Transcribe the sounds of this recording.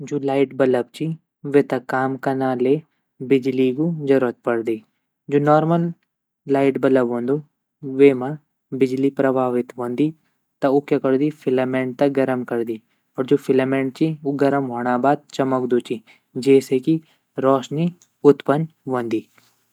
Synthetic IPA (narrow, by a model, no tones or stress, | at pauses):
d͡ʒoːlaːɪʈ̚bɐləb̚t͡ʃi | ʋeːt̪ɐkaːmkɐnaːle | bɪd͡ʒlikud͡ʒɐɾət̪̚pɐɽd̪iː | d͡ʒoːnɔːɾməlː | aːɪʈbɐləbɦõːnd̪u | ʋeːmã | bɪd͡ʒlipɾɐbʱaːʋɪt̪ɦõːnd̪iː | t̪ɐukekɐɾd̪ifʰɪlɐmẽːɳʈ̚t̪ɐɡɐɾəmkɐɾd̪iː | ɔːɾd͡ʒoːfʰɪlɐmẽːɳʈ̚t͡ʃiuɡɐɾəmɦoːɽ̃aːbaːd̪̚t͡ʃɐməkd̪oːt͡ʃi | d͡ʒɛːseki | ɾɔːʃni | ʊt̪pənʋõːnd̪iː